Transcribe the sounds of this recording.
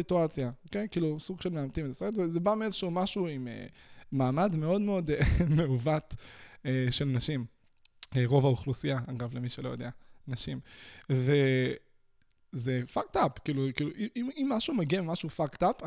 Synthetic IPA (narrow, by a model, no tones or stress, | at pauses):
it̪uat͡sjaokejkiːlusuɡʃe̞lmeamt̪imt̪asetzezebamiezeʃumaʃuimḛmaːmad̪me̞o̞d̪meo̞demeuvat̪eʃelnaʃim | eʁo̞vauχlusijaaɡavlemiʃelo̞jo̞d̪eanaʃimve | zefak̚t̪apkiːlukiːluʔiʔimimːaʃumeɡiamimaʃufakt̪ap